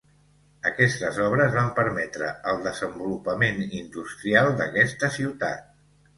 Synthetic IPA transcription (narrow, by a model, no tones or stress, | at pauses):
əkɛst̪əzɔβ̞ɾəzβampəɾmɛt̪ɾə̰əlˠd̪əzəmbulupəmenind̪ust̪ɾialˠd̪əkɛst̪əsiwt̪a̰t̪̚